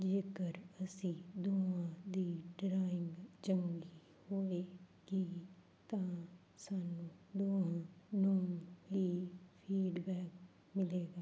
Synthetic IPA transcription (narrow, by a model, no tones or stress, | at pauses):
d͡ʒeːkəɾəsĩːd̪oːãːd̪iːɖɾaːɪŋɡd͡ʒəŋɡi | hoːʋeːɡ̥iː | t̪ãː | saːnũːd̪oːãːnoːŋɦiːpʰiːɖbɛːk | mɪleːɡaː